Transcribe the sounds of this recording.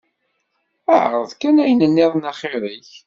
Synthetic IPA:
æ̰ʕ̰ʁəðkænæjənənːɪðˤnɑχɪɾiç

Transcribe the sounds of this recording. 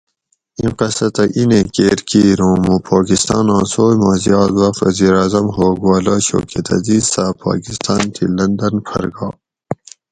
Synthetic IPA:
ĩqɐsɐt̪ɐʔinẽkeːɾkiɾõːmupʰaːkist̪ɑ̰ːnɑ̃ːsoːjmaːzijɑːd̪wɐfɐ̰ziːɾaːzɐmɦoːɡuaːlaɕo̰ːkʰet̪ɐ̰ziːzsapʰa̰ːkist̪ɑːnt̪ʰilɐnd̪ɐnpʰɐ̰ɾɡɑː

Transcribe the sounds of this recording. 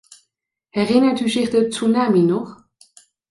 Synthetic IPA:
ɛʁɪnədyʒiχd̪ət͡sunaminɔχ

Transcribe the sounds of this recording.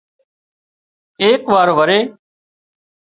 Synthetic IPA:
eːkʋaːɾoːʋəɾeː

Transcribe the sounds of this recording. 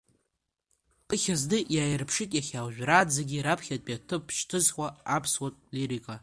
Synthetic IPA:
pʼɨχʲazdɨjaːjrpʰʂɨtʼjaχʲawʒᶣrad͡zaɡʲiɾapʰχʲatʼpʼjatʰɨpʰːʃʰtʰɨzχʷaapʰswatʼliɾikʼa

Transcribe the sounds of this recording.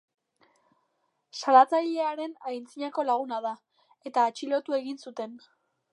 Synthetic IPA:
salat͡saʎe̞aɾe̞najnt͡siɲako̞laɣ̞unaða | e̞t̪aːt͡ʃilo̞t̪ue̞ɣinsut̪e̞n

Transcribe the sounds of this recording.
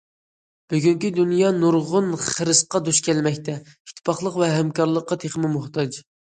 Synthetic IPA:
b̥yɡʲyŋkʲid̪unjɑnuɾʁʊnχəɾɨsqɑd̪uʃkʲʰɛlmɛkʲt̪ʰɛi̥t̪ʰːɪ̥pɑχlˠəqvɛɦɛmkʰɑɾlˠəqːɑt̪ʰeχmɪmʊht̪ʰɑd͡ʒ

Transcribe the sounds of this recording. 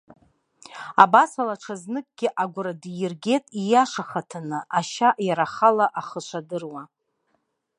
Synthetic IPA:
abasalaʈ͡ʂʰaznɨkʼɡʲɪʔaɡʷʊɾadjɪrɡʲe̞tʼijaʂaχatʰanɨʔaʃaʔjaɾaχalaʔaχəʃʷʰadɨrwa

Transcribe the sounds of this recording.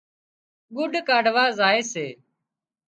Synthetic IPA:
ɡʊɖʱkaːɖʋaːzaːeːseː

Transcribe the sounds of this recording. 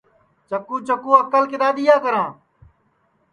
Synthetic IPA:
t͡ʃəkũːt͡ʃəkũːəkəlkɪɗ̪aːɗ̪ɪjaːkəɾãː

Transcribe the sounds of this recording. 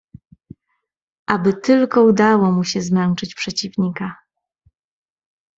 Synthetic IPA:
ʔabɘt̪ɘlkɔud̪awɔmuɕɛzmɛnt͡ʂɘt͡ɕpʂɛt͡ɕivɲika

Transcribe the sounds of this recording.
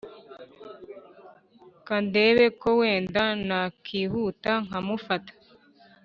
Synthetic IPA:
kande̞ːβe̞kowe̞ːndanakʰiːɦuːtaŋ̥amufatḁ

